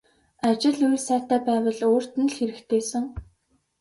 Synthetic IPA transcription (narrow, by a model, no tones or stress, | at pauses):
at͡ɕɪ̆ɮujrsæːt̪æːpæːwə̆ɮoːr̥t̪ɘ̆nɮxeɾɘ̆kt̪ʰeːsə̆ŋ